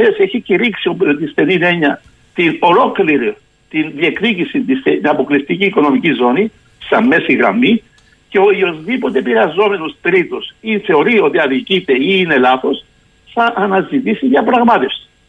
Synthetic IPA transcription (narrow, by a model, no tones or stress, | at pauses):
eseçiciɾiksiot̪isθe̞nine̞ɲɐ | t̪ino̞lo̞kliɾi | t̪inðie̞kticisit̪istet̪inɐpo̞klist̪iciːko̞no̞micizo̞ni | sɐmːe̞siɣɾɐ̰mːi | ceojo̞zðipo̞t̪epiɾɐzo̞me̞nost̪ɾit̪osiθe̞o̞ɾio̞t̪iɐðicit̪e̞iːne̞lɐθo̞s | θɐʔːnɐzit̪isiʝɐpɾɐɣmɐt̪e̞fsi̥